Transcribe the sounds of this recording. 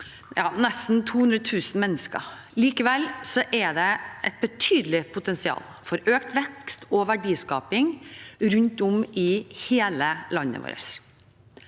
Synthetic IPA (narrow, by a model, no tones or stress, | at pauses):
jɑːnɛst̪n̩t̪ʰuːhʉnd̪ɾət̪ʰʉːsn̩mɛnːəskə̰ɾ | liːkəʋɛlsɔʔɛɖ̪ɛɛt̪̚bət̪ʰyːd̪lɪpʰʊt̪ɛnsɪɑ̰ːlfɔɾøːkt̪ʋɛkst̪ɔʋæɖiːskɑ̰ːpɪŋɾʉnt̪ɔmɪheːləlɑnːə̰ʋo̰ːɾə̰s